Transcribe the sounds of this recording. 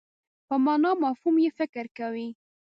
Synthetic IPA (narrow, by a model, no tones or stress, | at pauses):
pəmɑnɑmɑfhumjefɪkɾkawi